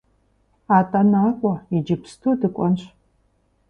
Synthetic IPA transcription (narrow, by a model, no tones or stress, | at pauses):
aːtʼanaːkʷʼɔid͡ʒɪpstʰuːdɨkʷʼɔnɕ